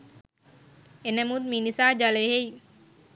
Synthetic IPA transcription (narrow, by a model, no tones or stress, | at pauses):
enəmut̪miːnisaːd͡ʒaleɦej